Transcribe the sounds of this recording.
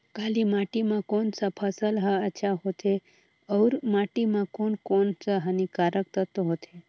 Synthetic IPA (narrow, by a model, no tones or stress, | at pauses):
kalimaʈimãkonsəpʰəsəlɦəət͡ʃʰaɦot̪ʰe | əwɾmaʈimãkonkonsəɦənikaɾək̚t̪ət̪oɦot̪ʰe